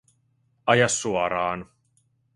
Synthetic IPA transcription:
ɐjasuaɾaːn

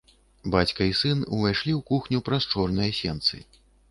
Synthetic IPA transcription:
bat͡sʲkɐisɨnuvajʂlʲiwkuxnʲupɾɐst͡ʂɔrnɨjɐsʲɛnt̪sɨ̰

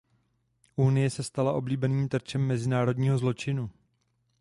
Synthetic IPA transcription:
ʔunɪjɛsɛst̪alaʔo̞bliːbɛniːmt̪r̩t͡ʃɛmːɛzɪnaːɾo̞dɲiːɦo̞zlo̞t͡ʃɪnu

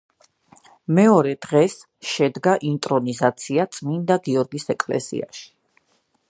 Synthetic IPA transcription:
mɛɔɾɛd̪̥ʁɛs | ʃɛd̪ɡaʔint̪ʼɾɔnizat̪sʰiat̪sʼmind̪aɡiɔɾɡisɛkʼlɛ̰sḭa̰ʃi̥

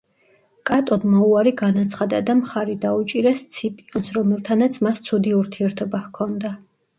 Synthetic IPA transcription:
kʼat̪ʼɔd̪mɔuaɾiɡanat̪sʰχad̪ad̪amχaɾid̪aut͡ʃʼiɾɛst̪sʰipʼiɔnsɾɔmɛlˠt̪ʰanat̪sʰmast̪sʰud̪iuɾt̪ʰiɛɾt̪ʰɔbahkʰɔnd̪a

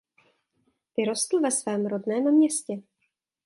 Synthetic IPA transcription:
vɪɾost̪l̩vɛsvɛːmɾodnɛːmmɲɛscɛ

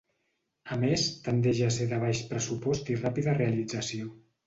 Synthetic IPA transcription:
əmest̪ənd̪eʒaseðəβ̞aʃpɾəsupɔst̪irapiðərealid͡zəsio

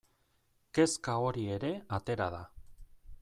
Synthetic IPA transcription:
ke̞skao̞ɾie̞ɾe̞at̪e̞ɾað̞a

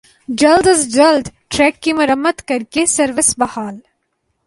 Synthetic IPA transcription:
d͡ʒɐld̪əzd͡ʒɐld̪ʈɾɛːkːimʊɾəmːəd̪kɐɾkesɐɾʋɪsbɐhaːl

